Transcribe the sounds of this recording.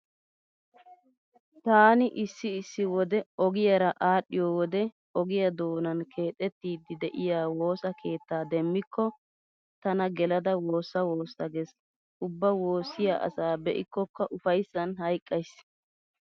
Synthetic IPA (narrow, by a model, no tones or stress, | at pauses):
t̪aːnɪʔɪsːɪːsːɪwɔd̪ɛɔɡɪjɐɾɐʔaːɗːɪjɔːwɔd̪ɛ | ɔɡɪjɐd̪o̞ːnɐnkʰe̞ːt̪ʼːɛt̪ːiːd̪ɪd̪ɛʔɪjaːwo̞ːsɐkʰe̞ːt̪ːaːd̪ɛmːɪkʰːɔ | t̪ɐnɐɡɛlɐd̪ɐwo̞ːsːɐwo̞ːsɐɡɛs | ʊbːɐwo̞ːsːɪja̰ːʔɐ̰saːbɛʔɪkːɔkːɐʔʊfɐjsːɐnhɐjkʼːɐjs